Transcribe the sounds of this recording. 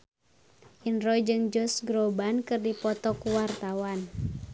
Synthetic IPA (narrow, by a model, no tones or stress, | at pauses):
ʔinrɔjd͡ʒɨŋd͡ʒɔsɡɾɔbankɨrdipɔt̪ɔkuwart̪awan